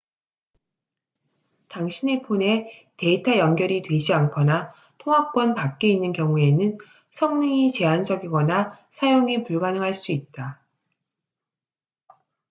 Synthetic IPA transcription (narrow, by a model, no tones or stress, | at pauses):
taŋɕʰinepʰone̞te̞itʰajʌnɡjʌɾitwe̞d͡ʑiankʰʌna | tʰoŋɦap̚k͈wʌnpak̚k͈e̞inːɯnkjʌŋue̞nɯn | sʰʌŋnɯŋit͡ɕe̞and͡ʑʌɡiɡʌna | sʰajoŋipuɭɡanɯŋɦaɭs͈uit̚t͈a